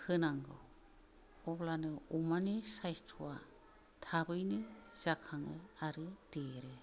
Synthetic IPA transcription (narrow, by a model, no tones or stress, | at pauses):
hɯnaŋɡɔ̰w | ɔblanɯumanisajstʰua | tʰabɯjnɯz̥akʰaŋɯaɾɯd̥eɾɯ